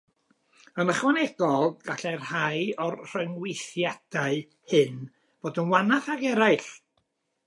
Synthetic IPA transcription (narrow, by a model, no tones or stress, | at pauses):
ənəχwanɛɡɔlˠɡ̥aɬɛrhajɔrr̥əŋwɪjθjad̥aɨ | hɨn | v̥oːdənwanaθaɡɛɾaɨɬ